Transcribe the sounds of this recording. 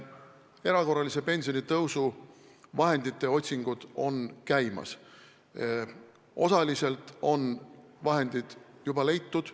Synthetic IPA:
e̞ɾɑko̞rːɑlisepe̞nʲsijo̞nit̪ɤwsu | vɑɦe̞nd̪it̪ːe̞o̞t̪ʲsiŋɡ̥ud̪̥o̞nkæjmɑ̰s | ʔo̞̰sɑlise̞lt̪ˑo̞nvɑɦe̞nd̪̥id̪̥jubɑle̞jt̪ːud̪̥

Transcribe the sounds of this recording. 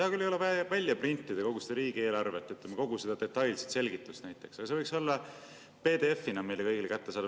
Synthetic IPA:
ehɑkylːejolevævælʲjɑprinʲt̪ːˑid̪e̞ko̞ɡ̥ust̪eɾiːɡie̞ːlɑrve̞t̪ːˑyt̪ːˑemeko̞ɡ̥use̞d̪ɑd̪̥et̪ːˑɑjlset̪se̞lʲɡit̪ːˑust̪næjt̪ːˑe̞ksɑɡ̥ɑse̞vɤjkso̞lːɑ | pe̞ːd̪e̞efːinɑmejlːe̞kɤjɡilekæt̪ːesɑːd̪

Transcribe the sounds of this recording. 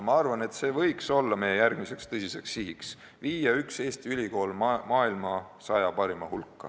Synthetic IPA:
mɑɑrvɑne̞t̪se̞ːvɤ̞jkso̞lːɑmejejærɡ̥mise̞kst̪ɤsise̞ksiɦiks | viːjɑykse̞ːst̪iylʲiko̞ːlmmɑːilmɑ | sɑjɑpɑɾimɑhulkːɑ̰

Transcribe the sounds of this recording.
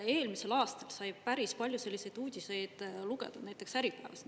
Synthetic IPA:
e̞ːlmise̞lɑːst̪ɑlsɑjpæɾispɑlʲjuse̞lʲːise̞jd̪̥uːd̪̥ʲise̞jd̪̥luɡe̞̰d̪ɑ̥næjt̪ːˑe̞ksæɾipˑæːvɑs

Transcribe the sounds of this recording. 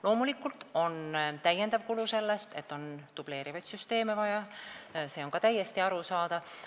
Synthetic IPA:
lo̞ːmulikːult̪ˑo̞nt̪æjend̪ɑvkuluse̞lːe̞st̪e̞̰t̪ːo̞nt̪ub̥le̞ːɾivɑjt̪syst̪e̞ːmevɑjɑse̞ːo̞nkɑt̪æjːe̞st̪iɑɾusɑːd̪ɑv

